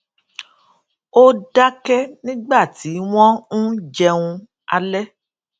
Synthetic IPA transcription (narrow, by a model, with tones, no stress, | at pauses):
o˦da˦kɛ˦nĩ˦ɡ͡ba˦˨ti˨˦w̃ɔ̃˦ñ̩˦d͡ʒɛ˧ũ˧ | a˧lɛ˦